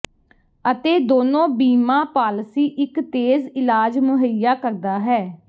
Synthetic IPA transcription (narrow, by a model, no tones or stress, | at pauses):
ət̪eːd̪oːnõːbiːmãːpaːlsiːʔɪkt̪eːzɪlaːd͡ʒmʊɦəjaːkəɾd̪aːɦɛː